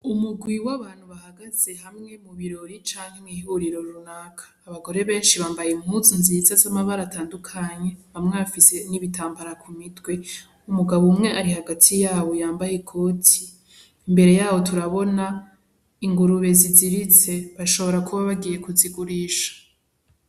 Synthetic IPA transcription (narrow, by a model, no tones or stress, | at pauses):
umuɡwiwaβaːn̥huβahaɡaz̥e̞ɦamŋe̞muβiɾo̞ɾit͡ʃaːŋhe̞mŋihuɾiɾo̞ɾunakʰḁːβaɡo̞ɾe̞βe̞ːnʃiβaːmbajimhuzinzizazamaβaɾataːndukʰaɲe̞hamŋeβafise̞niβitaːmbaɾakʰumitwe̞ | umuɡaβumŋe̞ʔaɾihaɡatʰijaːβo̞jaːmbajekʰo̞tʰiː | mbe̞ɾe̞jaːwo̞tuɾaβo̞na | iŋɡuɾuβe̞ziziɾit͡se̞βaʃo̞βo̞ɾakʰuβaβaɡije̞kuziɡuɾiːʃḁ